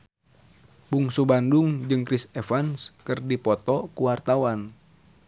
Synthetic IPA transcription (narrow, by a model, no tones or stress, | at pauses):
buŋsubanduŋd͡ʒɨŋkɾisɛfanskɨrdipɔt̪ɔkuwart̪awan